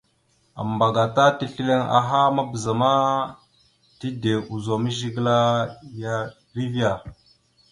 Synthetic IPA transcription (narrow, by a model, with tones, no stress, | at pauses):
a̰˨mba˨ɡa˨ta˦ti˦ɬi˦le˦ŋa̰˨ɦa˦ma˦bə˨za˨ma˦ | ti˦de˨u˨zo˨mə˦ʒi˦ɡla˦ja˦ | ɾi˦vi˦a˨